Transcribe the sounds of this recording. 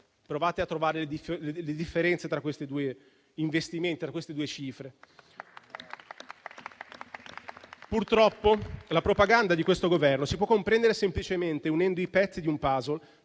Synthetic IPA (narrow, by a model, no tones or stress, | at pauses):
pɾovaːt̪eat̪ːɾovaːɾeled̪ifeleled̪ifːeɾɛnt̪set̪ɾakːwest̪ed̪uːe | iɱvest̪iment̪it̪ɾakːwest̪ed̪uːet͡ʃiːfɾe | purt̪ɾɔpːolapɾopaɡand̪ad̪ikwest̪oɡovɛrnosipwɔkːompɾɛnd̪eɾesemplit͡ʃement̪eunɛnd̪oipɛt̪sːid̪iumpaːzol